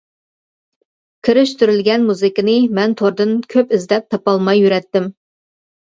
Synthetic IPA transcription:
kʲʰɪɾɪʃt̪yɾylɡʲɛnmuzɨkɨnɨmɛnt̪ʰoɾd̪ɨnkʲʰøpɪzd̪ɛp̚t̪ʰɑpɑlˠmɑjːyɾɛt̪ːɪm

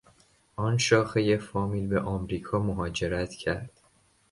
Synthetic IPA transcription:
ʔɒːnʃɒːxeje̞fɒːmiːlbeʔɒːmɾiːkʰɒːmoɦɒːd͡ʒe̞ɾæt̪ʰcʰæɾd̪̥

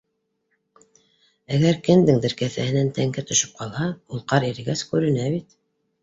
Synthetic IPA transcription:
æɡæɾkɘ̆nd̪ɘŋd̪ɘ̆ɾkæθæhɘ̆nænt̪æŋkæt̪ɵ̆ʃɵ̥p̚qɑlˠɑulˠqɑɾiɾ̆ɡæskʉɾɘ̆næβit̪

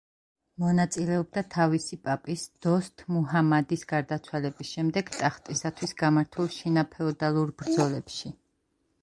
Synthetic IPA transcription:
mɔnat̪sʼilɛɔb̚d̪at̪ʰavisipʼapʼisd̪̥ɔst̪ʼmuɦamad̪isɡaɾd̪at̪sʰwalɛbisʃɛmd̪ɛɡt̪ʼaχt̪ʼisat̪ʰwisɡamaɾt̪ʰulˠʃinapʰɛɔd̪alˠuɾbɾd̪zɔlɛpʃi

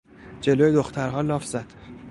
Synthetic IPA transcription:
d͡ʒe̞loːjed̪oxt̪ʰæɾɦɒːlɒːfzæd̪̥

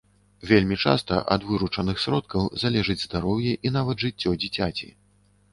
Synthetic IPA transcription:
vʲelʲmʲit͡ʂa̰st̪ɐ̰ʔɐ̰d̪vɨɾut͡ʂɐnɨxsʲɾɔt̪̚kɐwzalʲɛʐɨd͡zʲzd̪aɾɔwjɛʔin̪avɐd̪ʐɨt͡sʲːɔd͡zʲit͡sʲat͡sʲḭ

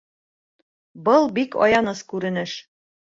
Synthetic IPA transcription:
bɤlˠbikɒ̰jɑnɤskʉɾɘ̆nɘʃ

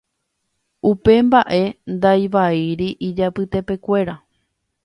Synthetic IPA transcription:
upe̞mbaʔe̞nd̪ajʋaiɾiʔid͡ʒapɨt̪e̞pe̞kʷe̞ɾa

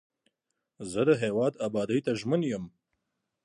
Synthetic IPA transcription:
zəd̪əɦewɑd̪abɑd̪əjt̪aʒmənjəm

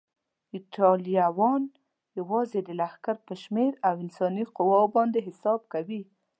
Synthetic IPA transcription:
iʈɑlijawɑn | jawɑzed̪əlahkaɾpəʃmeɾawɪnsɑniqʊwabɑnd̪eɦɪsɑb̚kawi

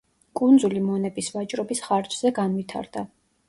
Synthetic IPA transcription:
kʼund̪zulimɔnɛbisvat͡ʃʼɾɔbisχaɾt͡ʃʼzɛɡanvit̪ʰa̰ɾd̪̥a

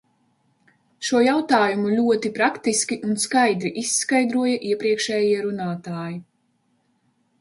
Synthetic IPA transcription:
ʃuɔjawt̪aːjumulʲuɔt̪ipɾakt̪iskʲiʔunskajd̪ɾiʔiskajd̪ɾuɔjɐʔiɛpɾiɛkʃɛːjiɛɾunaːt̪aːji

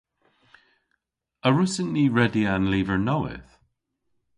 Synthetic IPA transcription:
əɹʊsənːiːɹɛdianliːvə˞noʊɪ̰θ

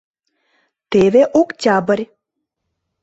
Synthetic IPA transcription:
t̪eʋeʔokt͡ɕʲabəɾʲ

